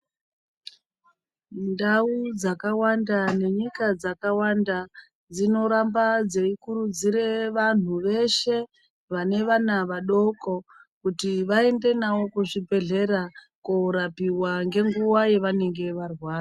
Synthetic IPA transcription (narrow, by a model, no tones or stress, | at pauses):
ndaud͡zakawandane̞ɲikad͡zakawanda | d͡zino̞ɾambad͡zeikuɾud͡ziɾe̞ʋan̤uʋe̞ʃe̞ | ʋane̞ʋanaʋaɗo̞ko̞kutiʋae̞nde̞nawo̞kuʐibʱe̞ɮe̞ɾa | koɾapiwaŋɡe̞ŋɡuwaje̞ʋane̞ŋɡe̞ʋarwaːra